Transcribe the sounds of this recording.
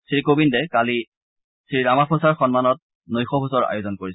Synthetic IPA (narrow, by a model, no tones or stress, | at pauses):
sɹikobindɛkali | sɹiɹamapʰosaɹxɔnmanɔt̚ | nojxɔpʰusɔɹa̰jozɔnkoɹis